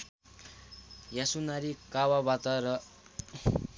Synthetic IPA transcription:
jasunaɾikawabat̪ʌɾʌ

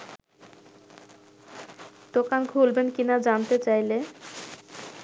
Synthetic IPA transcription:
d̪̥okankʰulbenkinad͡ʑant̪et͡ɕajle

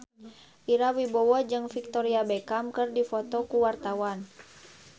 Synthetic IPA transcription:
ʔiɾawibɔwɔd͡ʒɨŋfik̚t̪ɔɾiabɛkamkɨrdifɔt̪ɔkuwart̪awan

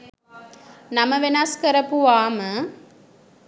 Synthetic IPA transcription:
nɐmɐʋenaskɐɾɐpuʋaːmə

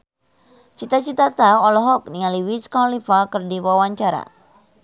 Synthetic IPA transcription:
t͡ʃit̪at͡ʃit̪at̪aɔlɔɦɔk̚niŋaliwiskɔnlifakərdiwawaɲt͡ʃaɾa̰

